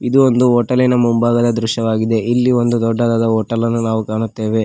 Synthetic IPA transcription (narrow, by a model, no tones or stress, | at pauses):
id̪uond̪uoːʈɐlinɐmumbaːɡɐd̪ɐd̪ɾuʃjɐʋaːɡid̪e̞ʔilːio̞nd̪ud̪ɔɖːɐd̪aːd̪ɐoːʈːɐlɐnːunaːʋukaːɳut̪ːe̞ːʋe